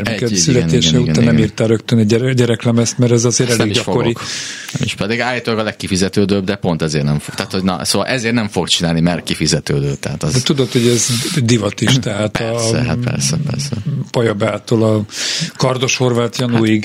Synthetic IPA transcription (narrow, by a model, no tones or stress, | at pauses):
ɛrmɛkɛt̪sylɛneːʃɛuɡnanɛmiːrt̪aːɾøkt̪ønɛɟɛɛɟɛɾɛklɛmɛst̪mɛɾɛzɒzeːɾɛleːɡiɟɒfokoɾiknɛmiʃpɛd̪iɡaːjit̪oɡɒlɛkːifizɛt̪øːd̪øːb̚d̪ɛpo̞nt̪ɛzeːrnɛɱfot̪aːt̪hoɟnɒ̰soːʋɒlʔɛzeːrnɛɱfokt͡ʃinaːlnimɛrkifizɛt̪øːd̪øːt̪ɛɦa̰ːt̪zɛt̪ud̪ot̪hoɟɛzd̪ivɒt̪iʃt̪ɛɦaːt̪ɒɦa̰pɛ̰rsɛpɛ̰rsɛpɒjɒbaːt̪oːlɒkɒrd̪o̞ʃho̞rvaːt̪jɒnuːjiɡ